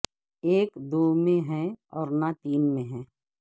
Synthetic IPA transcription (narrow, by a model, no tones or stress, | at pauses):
eːkd̪oːmẽɦɛ̃ɔːɾnat̪iːnmẽɦɛ̃ː